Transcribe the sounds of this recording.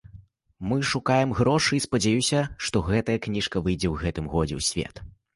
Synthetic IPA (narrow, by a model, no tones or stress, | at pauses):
mɨʂukajɛmɣɾɔʂɨispɐd͡zʲajusʲɐʂt̪ɔɣɛt̪ɐjɐknʲiʂkɐvɨjd͡zʲɛwɣɛt̪ɨmɣɔd͡zʲɛ̰wsʲvʲḛt̪